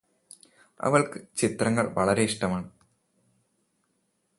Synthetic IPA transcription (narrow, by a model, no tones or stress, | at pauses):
ɐ̰ʋɐɭkɨt͡ɕit̪rɐŋːɐɭʋɐɭɐɾe̞iʂʈɐmaːɳɨ